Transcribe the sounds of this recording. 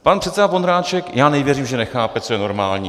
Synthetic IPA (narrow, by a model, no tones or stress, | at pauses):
panr̝̥ɛt̪sɛdavond̪ɾaːt͡ʃɛkjaːnɛvjɛriːmʒɛnɛxaːpɛt͡sojɛno̞ɾmaːlɲḭː